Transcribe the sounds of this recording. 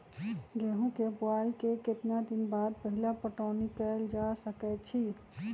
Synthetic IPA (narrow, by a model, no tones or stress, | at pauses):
ɡeɦũkebaikeket̪nad̪inbad̪̚pəɦilapəʈaʊnikɛld͡ʒasəkɛt͡ʃʰi